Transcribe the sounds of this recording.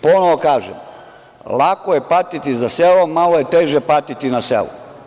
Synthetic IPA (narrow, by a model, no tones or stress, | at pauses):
ponoʋokaːʒem | lˠakoje̞pat̪it̪izaselomaloje̞t̪eːʒepat̪it̪inasḛlo̰